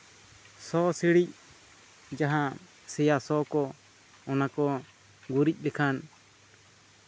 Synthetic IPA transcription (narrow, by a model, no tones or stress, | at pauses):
sɔsiɽic̚ | d͡ʒaɦa | sɛjasɔkɔ | ɔnakɔ | ɡuɾic̚ˀlɛkʰan